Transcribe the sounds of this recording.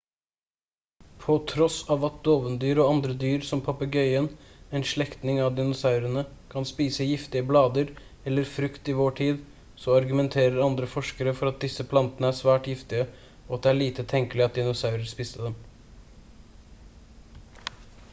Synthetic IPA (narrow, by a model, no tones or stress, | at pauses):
pʰɔt̪ʰɾɔsɑʋɑt̪̚d̪oːʋənd̪yːɾɔɑnd̪ɾəd̪yːɾsɔmpʰɑpəɡœʏənɛːnʂɭɛkt̪nɪŋɑʋd̪ɪnʊsɑʉɾənəkʰɑnspiːsəjɪft̪ɪəblɑːd̪əɾ | ɛlːəɾfɾʉkt̪ɪʋoːʈʰiːd̪ | sɔɑɾɡʉmɛnt̪ʰeːɾəɾɑnd̪ɾəfɔʂkəɾəfɔɾɑt̪̚d̪ɪsːəpʰlɑnt̪ənəæːsʋæːʈjɪft̪ɪə | ɔɑt̪̚d̪ɛæɭiːt̪ət̪ʰɛŋkəlɪɑt̪̚d̪ɪnʊsɑʉɾəɾspiːst̪əd̪ɛm